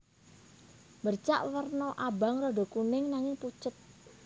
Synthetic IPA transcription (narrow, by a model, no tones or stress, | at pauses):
bərt͡ʃa̰ʔwərnɔʔabaŋrɔɖo̤kunɪŋnaŋɪŋput͡ʃət̪̚